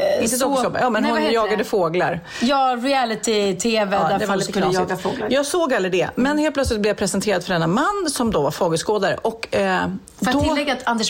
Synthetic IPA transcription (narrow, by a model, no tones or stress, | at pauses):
ɪsɔsɔb̰jɑːmɛnhʊnjɑːɡad̪əfoːɡlaɾ | jɑːɾɪælɪt̪ɪt̪ʰeːvɛd̪ɛɛvak̪ːjɑːɡafoːlajɑːɡsoːɡalːɾɪd̪ɛmɛnheːlpʰlœt̪slɪt̪̚blɛvjapʰɾɛsɛnt̪ʰeːɾad̪̥fœɖɛnːamanːsɔmd̪ɔvaɾfoːɡəskoːd̪aɾə̰ʔɔkː | dt̪ɔlːɛɡat̪ʰand̪ɛ